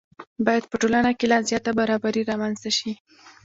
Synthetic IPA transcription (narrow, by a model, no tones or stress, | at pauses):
bɑjad̪̚pəʈolanakelɑzjɑt̪abaɾɑbaɾiɾɑmanz̥t̪aʃi